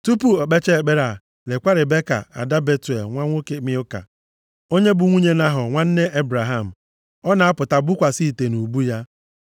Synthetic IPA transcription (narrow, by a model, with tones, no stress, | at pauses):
tu˦pu˦o˨k͡pe˦t͡ʃe˦e˨k͡pe˦ɾa˨ | le˨kʷa˦ɾɪ˨be˦ka̰˨a̰˨da˦be˦te˨lŋʷa˦ŋʷo˦ke˨mɪ˦ʊ˦ka̰˨ | o˦ɲe˦bʊ˨ŋʷu˦ɲe˦na˦ɦʊ˨ŋʷa˦n̩˦ne˦ʔe˦bɾa˨ɦa˦˨m̩˨ | ɔ˦na˨a˦pʊ˨ta˨bʊ˦kʷa˨si˦˨te˨nu˨bu˦ja˦